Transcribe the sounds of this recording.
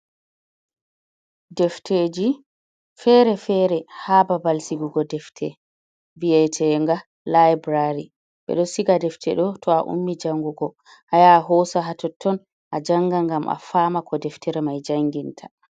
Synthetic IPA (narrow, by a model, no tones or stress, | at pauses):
dɛftʰed͡ʒi | fɛɾɛfɛɾɛhababalsiɡuɡɔdɛftʰɛ̰ | viɛtʰɛŋɡa | lajbɾaɾi | ɓɛ̰ɗɔsiɡadɛftʰɛɗɔtʰɔaʔṵmːid͡ʒaŋɡuɡɔ | hajaɦɔsaɦatɔtʰːɔn | ʔad͡ʒaŋɡaŋɡamʔa̰faːmakʰɔdɛftɛɾɛmajd͡ʒaŋɡintʰḁ